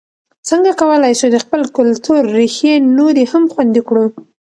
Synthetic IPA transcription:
t͡səŋɡakawəlajʃud̪əxpəlkʊlt̪uɾːixenoɾehamxwand̪ikɽu

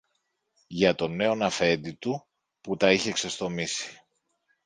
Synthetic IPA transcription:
ʝɐt̪o̞ne̞o̞nɐfe̞nd̪it̪u | put̪ɐiçe̞kse̞st̪o̞misi̥

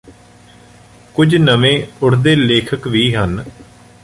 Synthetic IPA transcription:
kʊd͡ʒnəʋẽːʊɽd̪eːleːkʰəkʋiːɦən

